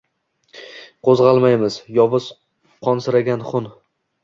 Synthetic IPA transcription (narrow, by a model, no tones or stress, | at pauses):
qʰozʁɑlˠmajmɪz̥jɒvɨz̥ | qʰɒnsɪɾaɡʲanχʊn